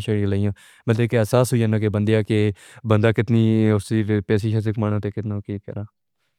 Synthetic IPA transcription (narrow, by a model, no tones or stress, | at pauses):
ʃəɽĩləijãː | mət̪ləkeəsaːsɦoijaːnãːk̬ebənd̪ejaːke | bənd̪aːkɪt̪niːʊsd̪iːpɛːsiːʃəs̬ɪkmanõːt̪eːkɪt̪nãːkiːkɛ̰ːɾaː